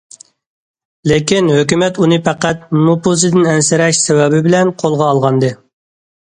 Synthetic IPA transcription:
lekʲinhøkʲymɛt̪unɨpæqæt̪̚mnopus̬ɨd̪ɨnɛnsɪɾɛʃsɛwɛbɪbɪlɛnqʰolˠʁɑːlˠʁɑnd̪ɨ

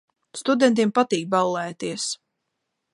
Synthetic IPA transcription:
st̪ud̪ɛnt̪̬iɛmpat̪iːk̚balˠːæːt̪iɛs

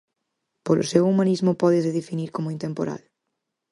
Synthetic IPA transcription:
polʊ̰sewumanizmʊpɔðezðeðefiniɾkomʊint̪empoɾa̰l

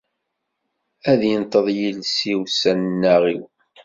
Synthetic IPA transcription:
æðjənt̪ˤəðˤjilsiwsænnːæʁiw

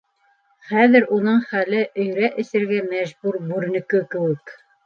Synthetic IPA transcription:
χæðɘ̆ɾunɤɴχælɘʔɵ̆jɾæʔɘ̆sɘ̆ɾɡæmæʒbuɾbʉɾnɘ̆kɵkɘ̆wɘk

